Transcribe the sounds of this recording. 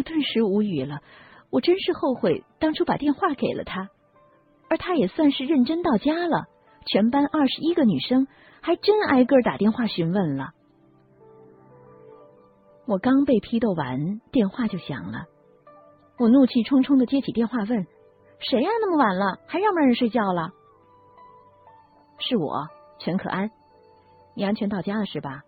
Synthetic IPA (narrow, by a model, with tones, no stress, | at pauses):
wɔ˨˩t̪wə˥˩nʂɻ̩˧˥u˧˥y˨˩lə˦wɔ˨˩ʈ͡ʂə˥nʂɻ̩˥˧xo˥˧ʊxwe˥˩ɪt̪ɑ˥ŋʈ͡ʂʰu˥pa̰˨˩t̪jɛ˥˧nxwa˥˩ke˨˩ɪlʔə̰˦t̪ʰa˥ | ə˞˧˥t̪ʰa˥jɛ˨˩swa˥˧nʂɻ̩˥˧ɻə˥˩nʈ͡ʂə˥nt̪ɑ˥˩ʊt͡ɕja˥lə̰˨˩ | t͡ɕʰɥɛ˧˥npa˥nʔɐ˞˥˩ʂɻ̩˧˥i˥ɡə˨ny˨˩ʂɤ˥ŋ | xa˧˥ɪʈ͡ʂə˥na̰˥ɪkə˥˩t̪a̰˨˩t̪jɛ˥˧nxwa˥˩ɕy˧˥nwə˥˩nlə̰˩ | wɔ˨˩kɑ˥ŋpe˥˩ɪpʰi˥t̪o˥˩ʊwa̰˧˥nt̪jɛ˥˧nxwa˥˧t͡ɕjo˥˩ʊɕjɑ̰˨˩ŋlə̰˦ | wɔ˨˩nu˥˧t͡ɕʰi˥˩ʈ͡ʂʰʊ˥ŋʈ͡ʂʰʊ˥ŋd̪ə˨t͡ɕjɛ˥t͡ɕʰi˨˩t̪jɛ˥˧nxwa˥˧wə˥˩n | ʂe˧˥ɪjɑ˥˩na˥˩mə˩wa˨˩nlə˧xa˧˥ɪɻɑ˥˩ŋmə˧˥ɻə˧˥nʂwe˥˧ɪt͡ɕjɑ˥˩ʊlə˩ | ʂɻ̩˥˩wɔ̰˨˩˦ | t͡ɕʰɥɛ˧˥nkʰɤ̰˨˩ʔa˥n | ni˨˩a˥nt͡ɕʰɥɛ˧˥nt̪ɑ˥˩ʊja˥d̪ə˨ʂɻ̩˥˩bɐ˩